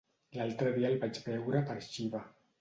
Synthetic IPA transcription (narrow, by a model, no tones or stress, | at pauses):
lalt̪ɾəðialβat͡ʃbɛwɾapəɾʃiβa